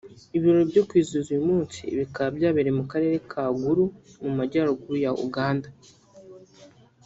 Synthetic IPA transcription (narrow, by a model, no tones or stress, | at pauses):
iβiɾoɾobɟo̞kwiːzuzuimuːnt͡sḭβikaabjaːβeɾemukaɾe̞ːɾe̞kʰaːɡuɾumumaɟaɾuɡuɾujaʔṵɡaːnda